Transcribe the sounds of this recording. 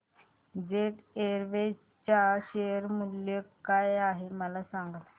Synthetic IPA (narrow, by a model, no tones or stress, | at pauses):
d͡ʑeʈeɾʋe | t͡ɕaɕejəɾmuljəkajaɦeməlasaŋɡət̪